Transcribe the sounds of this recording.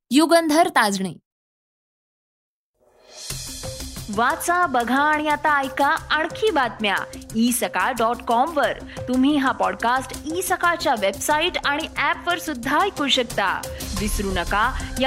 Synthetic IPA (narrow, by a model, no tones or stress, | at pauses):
juɡənd̪ʱəɾt̪ad͡zɳḛ | ʋat͡sabəɡʱaːɽ̃ijat̪aːjkaəɳ̃kʰiːbat̪mja̰iːsəkaɖɔʈkɔmʋəɾ | t̪um̤iːɦapɔɖkasʈisəkat͡ɕjaʋebsaiʈaɽ̃iʔæpʋəɾsud̪ʱːajkuɾɕəkt̪a̰ʋisɾunəkaja